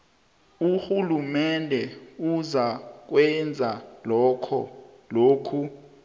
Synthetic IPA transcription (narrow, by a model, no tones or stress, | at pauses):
uxulumɛndʱɛuzak̬wɛnd͡zʱalɔkʰɔ̰ | loːkʰu